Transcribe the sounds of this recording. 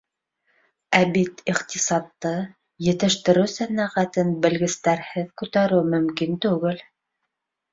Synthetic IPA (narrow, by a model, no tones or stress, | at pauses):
æbit̪iqt̪isɑt̪ːɤ | jɘ̆t̪ɘ̆ʃt̪ɘ̆ɾɘwsænæʁæt̪ɘnbɘ̆lɡɘ̆st̪æɾhɘðkʉt̪æɾɘwmɵ̆mkint̪ʉɡɘl